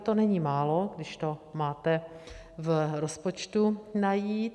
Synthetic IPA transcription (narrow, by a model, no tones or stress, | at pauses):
t̪o̞nɛɲiːmaːlo̞ɡdɪʃt̪o̞maːt̪ɛ | vɾospo̞t͡ʃt̪unajiːt̪